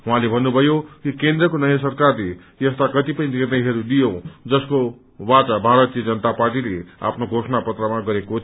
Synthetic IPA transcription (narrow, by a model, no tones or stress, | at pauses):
ɦuɦãlebʱʌnːubʱʌjokikend̪rʌkonʌjãs̬ʌrkarle | jʌst̪akʌt̪ipʌĩnirnʌjɦʌɾud̪ijod͡zʌsko | wat͡sabʱaɾʌt̪ijʌd͡zʌnʌt̪aparʈilea̰pʰnoɡʱosʌnapʌt̪rʌmaɡʌɾekot̪ʰ